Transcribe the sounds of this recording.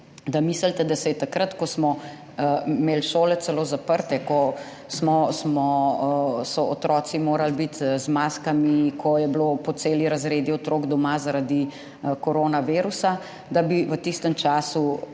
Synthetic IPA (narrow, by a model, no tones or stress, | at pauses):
d̪amisəlt̪ɛd̪asɛjɛt̪akɾɐt̪kɔsmɔ | meːlʃoːlɛt̪sɛloːzapəɾt̪ɛkɔ | smɔsmɔ | sɔot̪ɾɔt̪simoːɾalbit̪zmaːskamikʰɔjɛblopɔt̪seːliɾazɾeːd̪iɔt̪ɾoɡd̪ɔmazaɾad̪i | kɔɾoːnaʋiːɾusa | d̪abiʋət̪ist̪əmt͡ʃaːsu